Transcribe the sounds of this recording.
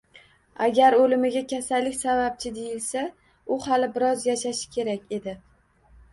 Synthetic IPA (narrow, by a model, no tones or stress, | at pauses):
aɡʲaɾolɪmɪɡʲakʲʰasalːɪkʲsavap̚t͡ʃʰɪd̪ejɪlsa | ʊhalɪbɪɾɒzjaʃaʃɪ̥kʲʰe̞ɾakʲe̞d̪ɪ